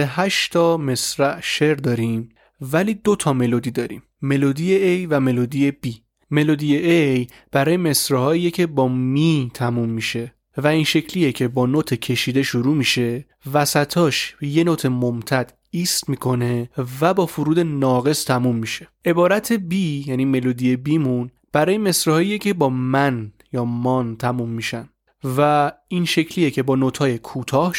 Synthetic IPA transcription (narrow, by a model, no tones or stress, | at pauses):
eɦæʃt̪ʰɒːme̞sɾæʔʃe̞ɾd̪ɒːɾim | væliːd̪o̞t̪ʰɒme̞lod̪iːd̪ɒːɾḭmːe̞lod̪ijeejvæme̞lod̪ije̞b̥i | me̞lod̪ijeʔej | b̥æɾɒːje̞me̞sɾehɒːiːjecʰe̞bɒːmit̪ʰæmumːiʃe̞ | væiːnʃe̞cʰliːje̞cʰe̞bɒːnot̪ʰecʰe̞ʃiːd̪e̞ʃoɾuːmiʃe̞ | væsæt̪ʰɒːʃje̞not̪ʰe̞momt̪ʰæd̪̥ | iːst̪miːkʰo̞ne̞væbɒːfuɾuːd̪e̞nɒːɣe̞st̪ʰæmumːiʃe̞̥ʔe̞bɒːɾæt̪ʰe̞biːjæniːme̞loːd̪ije̞biːmun | b̥æɾɒːjeme̞sɾhɒːijecʰe̞bɒːmæn | jɒːmɒːnt̪ʰæmumːiʃæn | væinʃe̞cʰliːje̞cʰe̞bɒːnot̪ʰhɒːjekʰuːt̪ʰɒːh